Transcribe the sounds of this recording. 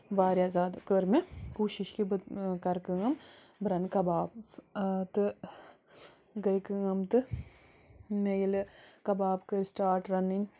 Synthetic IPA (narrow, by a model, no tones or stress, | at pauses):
baːɾʲjaːzaːd̪kəɾmekuːʃiʃkib̪kɐɾkɨŋɐmbɾɐnkɐbaːb | t̪ɨ | ɡɐjkɨŋɐmt̪ɨ | nejilɨkɐbaːbkəɾʲsʈaːɾʈɾɐnin